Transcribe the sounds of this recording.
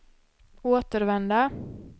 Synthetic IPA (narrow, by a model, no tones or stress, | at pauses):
oːt̪əɾvɛnd̪a